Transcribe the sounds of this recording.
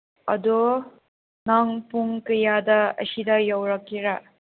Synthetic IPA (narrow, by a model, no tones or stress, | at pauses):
ɐ̰do | naŋpuŋkɐjadɐɐ̰sidɐjawɾakːiɾa